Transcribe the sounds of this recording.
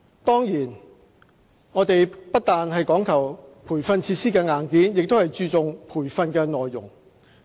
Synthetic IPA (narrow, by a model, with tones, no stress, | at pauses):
t̪ɔː˥ŋjiː˨˩n | ŋɔː˨˧˥t̪e˨jpɐ˥t̚t̪aː˨nɦɐ˨jkɔː˨˥ŋkʰɐ˨˩wpʰuː˨˩jfɐ˧nt͡sʰiː˧t̚siː˥kɛː˧ŋaː˨˩nkiː˨˥njɪ˨k̚t̪o˥whɐ˨jt͡syː˧t͡sʊ˨ŋpʰuː˨˩jfɐ˧nkɛː˧nɔː˨jːʊ̰˨˩ŋ